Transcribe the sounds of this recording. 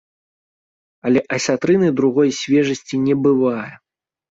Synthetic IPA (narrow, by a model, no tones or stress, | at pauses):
ɐlʲɛʔɐsʲat̪ɾɨnɨjd̪ɾuɣɔjsʲvʲɛʐɐsʲt͡sʲinʲɛbɨvajɛ